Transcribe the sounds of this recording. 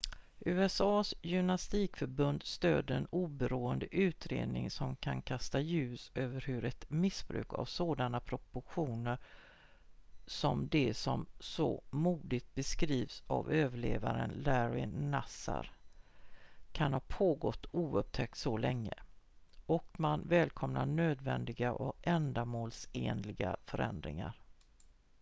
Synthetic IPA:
ʔʉ̟ːɛsɑːsjʏmnast̪iːkfœɾbɵnd̪st̪øːd̪əɾɛnuːbɛɾuːənd̪əʔʉ̟ːt̪ɾḛːd̪nɪ̰ŋsɔmkʰankʰast̪ajʉ̟ːsøːvəɾhɵɾɛt̪mɪsb̥ɾʉ̟ːkʰa̰vsoːd̪anapʰɾɔpʊɧuːnəɾ | sɔmd̪ɛsɔmsɔ̰muːd̪ɪt̪̚bɛskɾiːvsa̰vøːvəɭeːvaɾə̰nlæɾɪnasa̰ɾ | kʰanhaɾpʰoːɡɔt̪ːuːɵp̚t̪ʰɛk̚t̪sɔlɛŋːə̰ | ɔkmanvɛːlkʰɔmnaɳøːd̪vɛnd̪ɪɡaʔɔkɛnd̪amoːlseːnlɪɡa̰fœɾɛ̰nd̪ɾɪ̰ŋa̰ɾ

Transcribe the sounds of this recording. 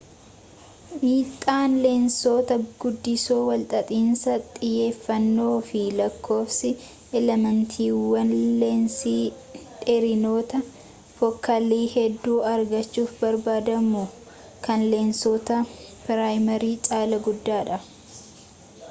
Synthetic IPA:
miːt̪ʼːaːnleːnso̞ːt̪ɐɡ̥ʊd̪ːɪsoːwɐlt̪ʼɐt̪ʼiːnsɐt̪ʼɪjːe̞ːfːɐnːo̞ːfɪlɐkʰːo̞ːfsɪ | ʔɛlɛmɛnt̪ʰiːwɐnleːnsiː | ᶑɪɾɪno̞ːt̪ɐ | fɔkːɐliːhɛd̪ːuːɐɾɡɐt͡ʃːuːfbɐɾbaːd̪ɐmʊ | kɐnle̞ːnsoːt̪ɐpɪɾaːjmɐɾiːt͡ʃʼaːlɐɡʊd̪ːaːᶑɐ

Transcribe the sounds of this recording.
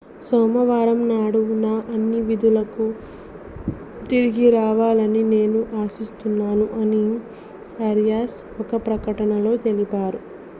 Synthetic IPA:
sɔːmɐʋaːɾɐmnaːɽunaːʔɐnːiʋid̪ulɐku | t̪iɾiɡiɾaːʋaːlɐnine̞ːnuʔaːsist̪unːaːnuʔɐni | ɐɾjaːs | ɔkɐpɾɐkɐʈɐnɐlo̞ːt̪e̞lipaːɾu

